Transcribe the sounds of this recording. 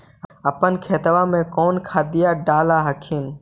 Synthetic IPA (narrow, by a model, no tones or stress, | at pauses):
əpənkʰeːt̪əʋaːmẽːkɔːnkʰaːd̪ɪjaːɖaːlaːɦəkʰiːn